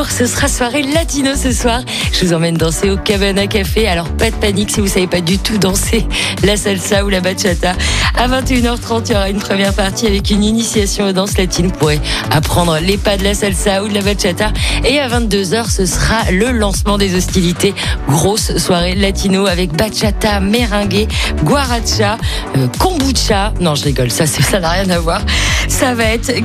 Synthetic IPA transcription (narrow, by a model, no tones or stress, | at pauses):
ʁsəsəχaswaʁelat̪inosəswaʁ | ʒ̥əvuzɑ̃mɛnd̪ɑ̃seokabanakafealɔʁpad̪əpaniksivusavepad̪yt̪ud̪ɑ̃selasalsaulabaʃat̪aavɛ̃t̪eynœʁt̪χɑ̃t̪jɔʁaynpχəmjɛʁpaʁt̪iavɛkyninisjasjɔ̃d̪ɑ̃slat̪ʰinpuʁɛapχɑ̃d̪ʁəlepad̪əlasalsaud̪əlabat͡ʃat̪aeavɛ̃t̪̚d̪øzœʁsəsəʁaləlɑ̃smɑ̃d̪ezɔst̪ilit̪eɡʁosːwaʁelat̪ʰinoavɛkbat͡ʃat̪ameʁɛ̃ɡʲeɡwaʁat͡ʃa | kɔ̃but͡ʃanɔ̃ʒəʁiɡɔlsasɛsanaʁjɛ̃navwaʁsavaɛt̪χ